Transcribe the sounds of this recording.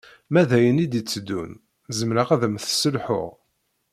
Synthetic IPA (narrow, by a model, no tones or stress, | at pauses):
mæðæjənid̪it͡sːəd̪ːṵn | zəmɾaʁæðəmθsəlħʊ̰ʁ